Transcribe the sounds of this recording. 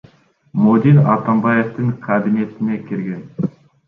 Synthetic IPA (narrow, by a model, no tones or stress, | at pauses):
mod̪ʲinɑ̰t̪ambɑje̞ft̪ɨŋqʰɑbine̞t̪ɪne̞kʲʰɪɾɡʲe̞n